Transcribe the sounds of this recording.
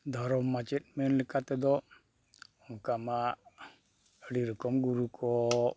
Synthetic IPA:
d̪aɾɔmːat͡ʃit̪̚menlikat̪ɛd̪ɔ | ɔŋkama | əɽiɾikɔmɡuɾukʰɔ

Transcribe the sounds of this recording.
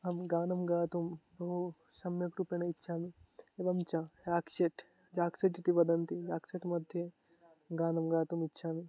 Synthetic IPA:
ɦɐmɡaːnɐmɡaːt̪umbɐɦu | sɐmjɐkɾupjeñɐitːʃʰaːmieʋɐmt͡ʃajaːkʃeʈ | d͡ʒaːkseʈit̪iʋɐd̪ɐnt̪id͡ʒaːkseʈmɐd̪ʱje | ɡaːnɐmɡaːt̪umitːʃʰaːmi

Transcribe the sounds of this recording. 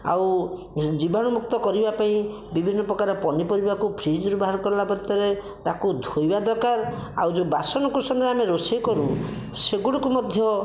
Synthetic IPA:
a̰w | d͡ʒibʱaɽ̃ɔmuk̚t̪ɔkɔɾibapaĩ | bibʱinːɔpɾɔkaɾɔpɔnipɔɾibakupʰɾid͡ʒɾubaɦaɾɔkɔɾlapɔɾt̪ːɔɾe | t̪akud̪ʱojbad̪ɔkaɾa̰wd͡ʒobasɔnɔkusɔnd̪ɾameɾosekɔɾu | seɡuɽɔkumɔd̪ʱjɔ

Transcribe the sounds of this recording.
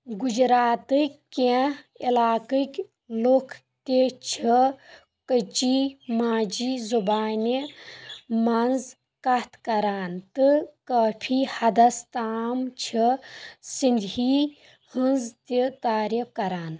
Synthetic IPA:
ɡud͡ʒɾaːt̪ɨkʲke | ilaːkɨkʲ | lokʰ | t̪ʲet͡ʃʰi | kət͡ʃimaːd͡ʒizubaːnʲi | mɐnz | kɐt̪ʰkɐɾaːnt̪ɨkɐːpʰihɐd̪ɐst̪aːmt͡ʃʰisind̪ɦi | hɨnzt̪it̪aːɾipkɐɾaːn

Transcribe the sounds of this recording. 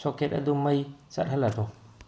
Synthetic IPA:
soket̚ɐ̰dumɐjsɐ̰t̚ɦɐlːɐdɔ

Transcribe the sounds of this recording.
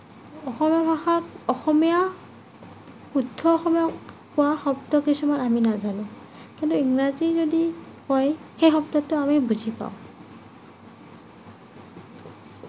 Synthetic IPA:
ɔxɔmijabʱaxɔɔxɔmia | udʱːɔːxɔmijakʊwaxɔbtɔkisumanaminazalʊ̃ | kintuiŋɹazizodikɔjxejxɔbtɔtːʊamibuzʱipa̰ʊ̃

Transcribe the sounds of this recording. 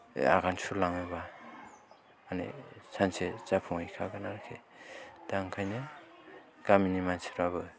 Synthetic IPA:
a̰ɡansulaŋeba | anḛsʰanset͡ʃapʰuŋajkʰaɡanaɾkʰed̥aŋkʰajnɯ | kaminimansi̥ɾabɯ

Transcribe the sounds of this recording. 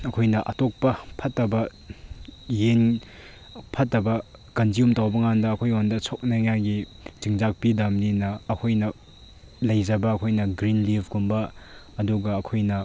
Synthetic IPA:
ɐkʰojnɐʔɐ̰tok̚pɐpʰɐtːɐbɐ | jen | pʰɐtːɐbɐkɐnd͡ʒiumtawbɐŋandɐːkʰojondɐsʰok̚nɐŋajɡi | t͡ʃiŋzak̚pidamninɐːkʰojnɐ | lɐjzɐbɐːkʰojnɐɡɾinlibʰʱkumbɐ | ɐduɡɐɐkʰojnɐ

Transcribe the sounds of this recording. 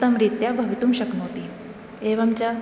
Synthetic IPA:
t̪əmɾit̪jabʱəʋit̪uːmɕəknot̪i | eʋamt͡ɕa

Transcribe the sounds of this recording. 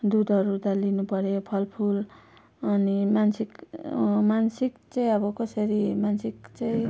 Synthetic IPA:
d̪ud̪ʱʌɾut̪ʌlinupʌɾjopʰʌlpʰul | ʌnimansik | mansikt͡saĩʌbʌkʌsʌɾimansikt͡saĩ

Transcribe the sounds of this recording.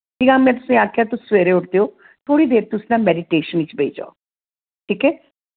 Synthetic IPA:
iːɡãːmɛ̃ːt̪ʊsĩːaːkʰjaːt̪ʊsːʋeːɾeːʊʈd̪eːoː | t̪ʰoːɽiːd̪eːɾt̪ʊsnãːmɛːɖɪʈeːʃənit͡ʃbʱeːd͡ʒa̰oː | ʈʰiːkɛː

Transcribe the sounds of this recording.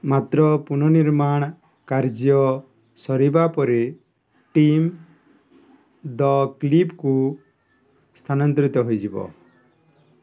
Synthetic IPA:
mat̪ɾɔpunɔniɾmaɽ̃ | kaɾd͡ʒijɔ | sɔɾibapɔɾi | ʈim | d̪ɔklipku | st̪ʰanɔnt̪ɾit̪ɔɦujd͡ʒibɔ̰

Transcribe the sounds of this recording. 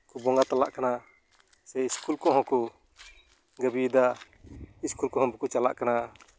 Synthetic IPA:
kubɔŋɡat̪ala̰ʔkana | sɛiskulkɔɦɔ̃ku | ɡəbid̪a | iskulkɔɦɔ̃bukut͡ʃala̰ʔkana

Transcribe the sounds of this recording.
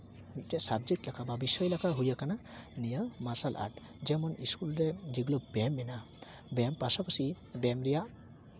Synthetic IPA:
nit̪̚tɛsabd͡ʒɛk̚ʈlakʰababisɔjlakʰaɦujakana | nijəmasalʔa̰ʈ | d͡ʒɛmɔniskulɾɛd͡ʒiɡlobɛmːɛna | bɛmpasapasibɛmɾɛjaʔ

